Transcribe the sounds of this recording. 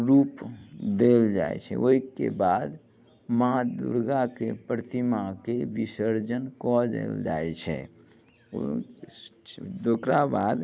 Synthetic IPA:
ɾuːpd̪eːld͡ʒa̰ːḛt͡ʃʰɛ̰ʔoikḛbaːd̪ | mad̪ṵɾɡakepɾət̪imakeʋisəɾd͡ʒənkɔd̪ḛld͡ʒa̰ɛt͡ʃʰɛ̰ | d̪okɾabaːd̪

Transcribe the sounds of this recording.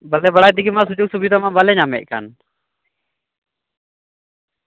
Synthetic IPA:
bəlɛbɐɽaːjt̪ikimãsʊt͡ʃuksubid̪amãbalɛɲaːmɛ̰ʔ̚ka̰n

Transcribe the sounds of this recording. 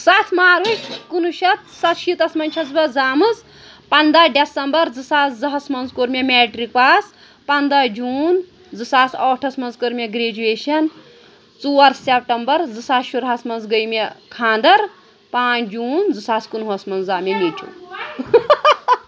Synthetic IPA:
sat̪ʰmaːɾuʃkunuʃɐt̪̚ʰsɐt̪ʃit̪ɐsmɐnʲt͡ʃʰɐzbɐd͡zaːmɨz | pɐnd̪aɖesɐmbɐɾd͡zɨsaːt͡sd͡zɐɦɐsmɐnzkoɾmʲemeːʈɾik̚paːs | pɐnd̪ad͡ʒuːn | d͡zɨsaːt͡sʰɔːʈʰɐsmɐnzkuɾmʲeɡɾeːd͡ʒueːʃɐn | t͡suːɐɾsep̚ʈɐmbɐɾd͡zɨsaːsʃuɾɦasmɐnzɡɐjmekʰãːnd̪ɐɾ | pãːt͡ʃʰd͡ʒuːnd͡zɨsaːskunɦosmɐnzzaːmʲeliːt͡ʃṵ

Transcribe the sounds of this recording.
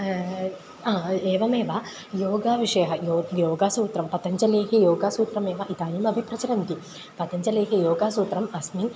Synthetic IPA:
aːeːʋɐmeːʋa | joːɡaːʋiʂɐjɐɦɐjojoːɡaːsuːt̪ɾɐmpɐt̪ɐɲt͡ʃɐleːɦejoːɡaːsuːt̪ɾɐmeːʋaʔit̪aːnimɐbʱipɾɐt͡ʃɐɾɐnt̪i | pɐt̪ɐɲt͡ʃɐleːɦejoːɡaːsuːt̪ɾɐmɐsmi

